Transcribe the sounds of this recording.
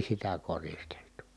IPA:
sitæ koristeltu

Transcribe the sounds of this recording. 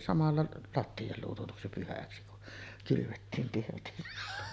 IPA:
sɑmɑlːɑ lɑtːiɑ luːtutuksi pyhæksi kun kylyʋetːiːm pirtisːæ

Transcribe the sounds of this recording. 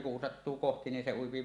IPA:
kun sɑtːuː kohti ni se uipi

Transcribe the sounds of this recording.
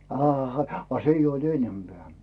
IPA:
ɑːhɑ ɑ se ijː oid̥ enːempeæˑ

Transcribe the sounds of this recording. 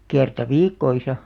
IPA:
kertɑ ʋiːkːoisɑ

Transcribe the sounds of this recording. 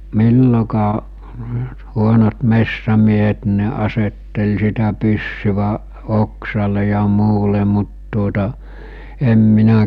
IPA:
milːokɑː huonot mesːæmiehet nĭ̥ ne ɑsetːel sitæ pysːyʋæʔ oksɑle jɑ muːle mut tuotɑ em minæ

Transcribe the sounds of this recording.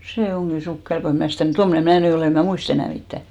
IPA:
seˑ oŋɡ̊i sukːel ko em mnæˑ stæˑ mŭ tomːŏne mæː ny oleˑ em mæˑ muist enæˑ mitːæˑ

